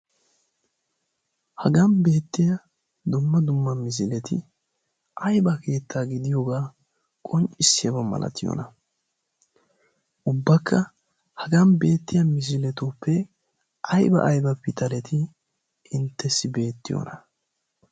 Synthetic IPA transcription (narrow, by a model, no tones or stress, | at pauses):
hɐɡɐnbe̞ːt̪ːɪjɐ | d̪ʊmːɐd̪ʊmːɐmɪs̬ɪlɛt̪ɪ̰ | ʔɐjbɐke̞ːt̪ːaːɡɪd̪ɪjoɡaː | kʼɔnt͡ʃʼɪsːɪjɐbɐmɐ̰lɐ̰t̪ʰɪjo̰ːnɐ | ʔʊbːɐkːɐ | hɐɡɐnbe̞ːt̪ːɪjɐmɪs̬ɪlɛt̪upʰːɛ | ʔɐjbɐ̰ʔːjbɐpɪt̪ɐlɛt̪ʰɪ | ɪnt̪ːɛsːɪbe̞ːt̪ːɪjo̰ːnɐ